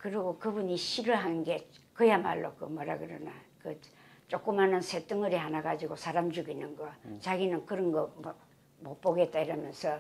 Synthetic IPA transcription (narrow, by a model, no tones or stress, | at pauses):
kɯɾiɡokɯbuɲiɕʰiɾɯɭɦanɯnɡe̞kɯjama̰ɭːokɯ̰mʌɾa̰ɡɯɾʌna̰kɯ | t͡ɕ͈ok͈ɯmɦanɯnsʰet͈ɯŋɯɾiɦanaɡad͡ʑiɡosʰaɾamd͡ʑuɡinɯnɡʌt͡ɕaɡinɯnkɯɾʌnɡʌmʌ | mop͈oɡe̞t̚t͈aiɾʌmjʌnsʰʌ